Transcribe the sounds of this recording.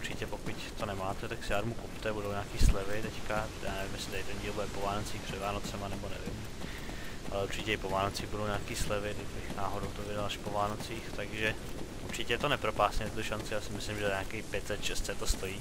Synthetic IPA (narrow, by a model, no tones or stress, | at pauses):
uɾt͡ʃɪcɛpokuct̪onɛmaːt̪ɛt̪aksɪaɾmukupt̪ɛbudowɲaːkiːslɛvɪt̪ɛckajaːnɛvɪmjɛsɪt̪adɪt̪ɛnɟiːlbudɛpovaːnot͡siːxprɛdvaːnot͡sɛmanɛbonɛ̰vɪ̰m | ʔalɛuɾt͡ʃɪcɛɪpovaːnot͡sɪbudowɲaːkiːslɛvɪdɪɟbɪxnaːɦodowt̪ovɪdalaʃpo̞vaːnot͡siːxt̪aɡʒɛ | ʔṵɾt͡ʃɪcɛɛt̪o̞nɛpɾo̞paːsɲɛt̪ɛt̪oʃant͡sɪjaːsɪmɪslɪmʒɛzaɲaːkɛjpjɛt̪sɛt̪ʃɛst̪t͡sɛt̪ost̪o̞jiː